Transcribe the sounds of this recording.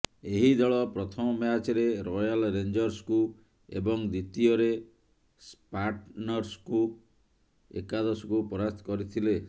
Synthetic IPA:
eɦid̪ɔɭɔpɾɔt̪ʰɔmɔmeat͡ʃeɾeɾojalɾend͡ʒɔɾsku | ebɔŋd̪it̪iɔɾe | spaɾʈnɔɾsku | ḛkad̪ɔsɔkupɔɾast̪ʰkɔɾit̪ʰile

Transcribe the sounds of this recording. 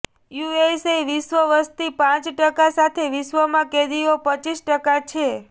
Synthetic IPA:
jueseʋiʃʋəʋəst̪ipãt͡ʃʈəkasat̪ʰeʋiʃʋəmãked̪iopət͡ʃisʈəkat͡ʃʰe

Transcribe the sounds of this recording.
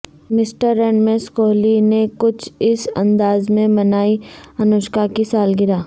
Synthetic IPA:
mɪsʈəɾːɛːɳmẽskoːlinekʊt͡ʃʰɪsɐ̰̃nd̪aːzmẽmɐnaːiɐnʊːʃkakisaːlɡɪɾaː

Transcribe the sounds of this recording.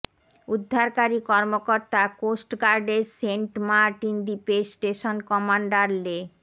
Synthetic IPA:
ud̪ʱːaɾkaɾikɔɾmokoɾt̪akosʈɡaɾɖeɾseɳʈmaɾʈind̪ipesʈeʃonkɔmaɳɖaɾle

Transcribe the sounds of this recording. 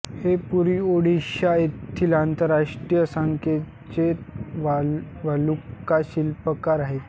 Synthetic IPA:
hepuɾiːoɽiɕaett̪ʰːilant̪əɾaʂʈɾijəsəŋkʰe | t͡ɕeʋaʋalukaɕilpəkaɾaɦet̪

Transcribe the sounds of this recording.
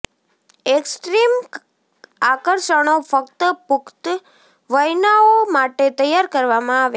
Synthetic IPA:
eksʈɾim | akəɾʃəɽ̃ofəkt̪əpʊkt̪ | ʋəjnaomaʈet̪əjaɾkəɾʋamãaʋe

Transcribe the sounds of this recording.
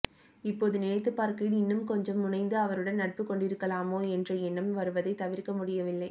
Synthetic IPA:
ɪpːoːðɯnɪnɐɪt̪̬ːɯpːaːɾkiːɽɪnːɯmkɔɲd͡ʒɐmːʊnɐɪnd̪ɯɐʋɐɾɯɽɐnnɐʈ̚pɯkɔɳɖɪɾɯkːɐlaːmoːɛndrɐɛnːɯmʋɐɾɯʋɐðɐɪt̪ːɐʋɪɾkɐmʊɽɪjɐʋɪlːɐɪ

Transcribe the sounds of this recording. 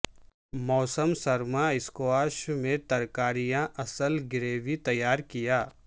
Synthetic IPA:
mɔːsəmsɐɾmaɪskoaːʃmẽt̪ɐɾkaːɾijãʔɐsəlɡɪɾeːʋit̪ɐjːaːɾkijaː

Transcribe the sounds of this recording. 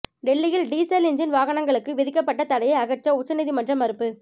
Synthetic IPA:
ɖɛlːɪjɪlɖiːsɐlɪnd͡ʒɐnʋaːɣɐɳɐŋɡɐɭɯkːɯʋɪðɪkːɐpːɐʈːɐt̪ɐɽɐjɐɪɐɣɐt͡ʃːɐʊt͡ʃːɐniðimɐndrɐmɐɾɯpːɯ

